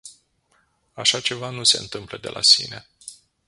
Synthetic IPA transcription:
aʃat͡ʃe̞vanuse̞ɨnt̪ɨmpləd̪e̞̰lʔa̰sḭne̞

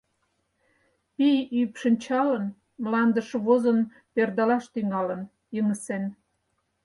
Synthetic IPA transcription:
pijypʃənt͡ɕɑlən | mlɑnd̪əʃoβozən | perd̪ɑlɑʃt̪yŋɑlə̆n | jəŋəsen

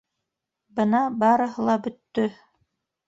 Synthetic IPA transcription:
bɤ̆nɑbɑɾɤ̆ɦɤlˠɑbɵ̆t̪ːɵ

